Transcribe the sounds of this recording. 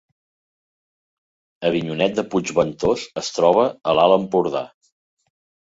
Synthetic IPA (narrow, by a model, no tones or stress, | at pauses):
əβiɲunɛt̪̚d̪əpud͡ʒβənt̪osəst̪ɾɔβ̞əəlaləmpuɾða̰